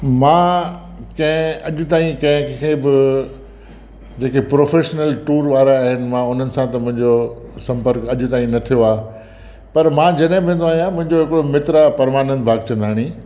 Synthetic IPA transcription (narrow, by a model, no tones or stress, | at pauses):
mãː | kɐ̃ɦɪ̃ɐʄʊ̆t̪aːĩkɐ̃ɦɪ̃kʰebɪ | d͡ʑeːkepɾoːfeːʃnəlʈuːɾʋaːɾaːɦɪnɪ̆mãʊn̤ənɪ̆sãt̪ɐmʊ̃ɦɪ̃ɲd͡ʑosɐ̃mpəɾkɐʄʊ̆t̪aːĩnɐt̪ʰijoaː | pɐɾmãːd͡ʑɐɗɦɪ̃bẽːnd̪oaːɦijãmʊ̃ɦɪ̃ɲd͡ʑoɦɪkɽomɪt̪ɾapɐɾmaːnə̃nd̪bʱaːɡt͡ɕɐ̃nd̪ʱaːɽ̃ĩ